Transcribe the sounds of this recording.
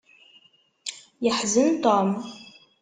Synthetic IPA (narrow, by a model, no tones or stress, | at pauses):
jɪħzɨnt̪aːm